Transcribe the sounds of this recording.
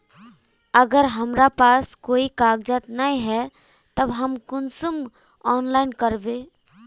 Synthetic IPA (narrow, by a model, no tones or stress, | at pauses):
əɡəɾɦəmɾapaːskoːikaːɡd͡ʒət̪naĩɦɛ | t̪əbɦəmkʊnsum | ɔːnlaɪnkəɾbẽ